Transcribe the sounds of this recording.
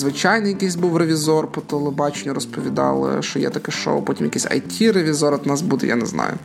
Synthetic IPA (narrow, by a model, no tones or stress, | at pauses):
zʋɪt͡ʃɑjnɪjɐkisʲbuwreʋʲizɔrpɔt̪ɔlˠɪbɑt͡ʃenʲːʊɾɔspɔʋʲid̪ɑ̰lˠɪ̰ʃt͡ʃɔjɛ̰t̪ɐkɛʃo̰wpɔtʲimjɐkɛsʲɐ̰jtʲʰiɾeʋʲizɔɾɔt̪nɑsbud̪ɛ̰ja̰nɛ̰znɑ̰jʊ̰